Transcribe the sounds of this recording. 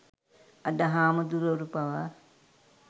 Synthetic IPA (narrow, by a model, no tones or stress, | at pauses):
ɐdɐɦaːmud̪uɾoɾupaʋa